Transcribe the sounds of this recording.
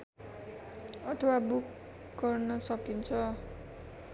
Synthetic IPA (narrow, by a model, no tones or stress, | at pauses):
ʌt̪ʰʌwabuk | ɡʌrnʌsʌkint͡sʰʌ